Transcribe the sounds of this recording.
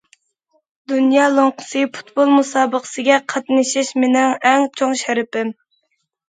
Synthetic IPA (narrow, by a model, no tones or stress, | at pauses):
d̪unjɑːlˠoŋqə̥sɨpʰu̥t̪bolˠmusɑːbəqʰə̥sɪɡʲɛqʰɑt̪nɪʃɪʃmɪnɪŋɛŋt͡ʃʰoŋʃɛɾɪpɪm